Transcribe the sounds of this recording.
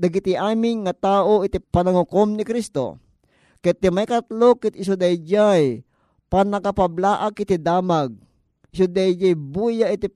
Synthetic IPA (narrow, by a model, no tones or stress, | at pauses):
d̪ɐɡit̪iʔaːmɪŋŋɐt̪aːʔoʔɪt̪ipɐnaŋʊkomnɪkɾist̪o̰ | kɛt̪ːɪmajkɐt̪lokːɪt̪ɪs̬od̪ajd͡ʒaj | panɐkapablaːʔakɪt̪id̪aːmaɡ̚ | ɪsʊd̪ajd͡ʒajbuːjaʔit̪i